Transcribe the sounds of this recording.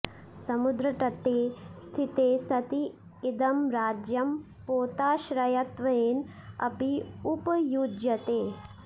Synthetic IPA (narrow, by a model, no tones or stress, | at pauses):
sɐmud̪ɾɐʈɐʈ̪ːeːst̪ʰit̪eːst̪ʰɐt̪iː | d̪ɐmɾaːd͡ʒjɐm | poːt̪aːʃɾɐjɐt̪ʋɐeːnɐ̰piupjuːd͡ʒjɐt̪eː